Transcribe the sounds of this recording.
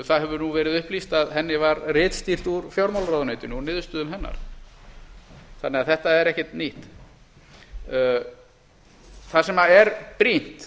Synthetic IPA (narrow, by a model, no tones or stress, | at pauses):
θaðɦɛvʏnuvɛːɾɪðʏhplist̪aðɦɛnːɪvaɾrɪːt̪st̪ir̥t̪uɾfjawɾmawlɾawðʏneːjt̪ʏnɔnɪːðst̪ʏːðʏmɦɛnːa̰ɾ̥ | θanːɛaðθɛht̪aɛɾɛhcɛt̪niht̪ | θasɛmaɛɾpɾin̥t̪